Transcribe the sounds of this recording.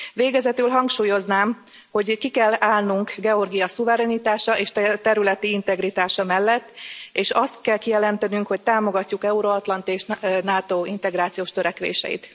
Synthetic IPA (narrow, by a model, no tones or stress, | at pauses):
ʋeːɡɛzɛt̪ylɦɒŋkʃuːjo̞znaːm | ho̞ɟkikɛlaːlnuŋkɡɛo̞rɡijɒsuvɛɾɛnit̪aːʃɒʔeːʃt̪t̪ɛɾylɛt̪iint̪ɛɡrit̪aːʃɒmɛlːɛt̪ːeːʃɒst̪kɛlkijɛlɛnt̪ɛnyŋkho̞c̚t̪aːmo̞ɡɒcːukɛuɾoɒt̪lɒnt̪eːʃnaːt̪oːint̪ɛɡraːt̪sijoːʃt̪øɾɛkʋḛːʃɛ̰jḭt̪